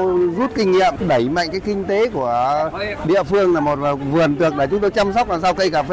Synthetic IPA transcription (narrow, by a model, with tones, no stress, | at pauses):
zu˦˥t̚kï˧ŋ̟ŋḭ˧˨əmɗə˧˩jma̰˧˨ŋkaː˨˦jkï˧ŋ̟t̪e˨˦ku˧˩əɗḭ˧˨əfɨ˧əŋlaː˨˩mo˨˩t̚vaː˨˩vɨ˨˩ənt̪ɨ˨˩ək̚ɗaː˧˩t͡ɕʊ˨˦ŋ͡mt̪o˧jt͡ɕa˧msɔ˦˥k͡p̚laː˨˩saː˧wkə˧jkaː˧˩fe˧˦